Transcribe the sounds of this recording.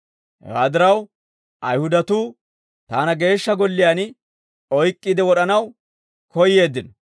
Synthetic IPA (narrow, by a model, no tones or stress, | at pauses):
hɛ̰waːd̪ɪɾɐw | ʔɐjhʊd̪ɐt̪uː | t̪aːnɐɡe̞ːʃːɐɡɔlːɪjaːn | ɔjkʼːiːd̪ɛwɔɗɐnɐw | kɔjːe̞ːd̪ːɪnɔ